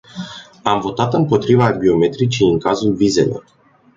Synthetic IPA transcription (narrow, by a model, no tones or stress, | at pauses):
amvo̞t̪at̪ɨmpo̞t̪ɾivabio̞me̞t̪ɾit͡ʃijɨŋkazulvize̞̰lo̞̰r